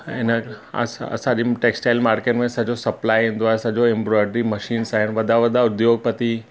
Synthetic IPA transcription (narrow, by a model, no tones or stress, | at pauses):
ɪnə̰sɐ̰sãːɗiʈeːksʈaːɪlmaːɾkənmẽsɐd͡ʑosɐplaːjɦĩːnd̪oaːɦesɐd͡ʑoẽmbɾɔːɪɖɾimɐʃiːnsaːɦɪnʋɐd̪ʱaʋɐd̪ʱaʊd̪ʱjoːɡ̚pɐt̪i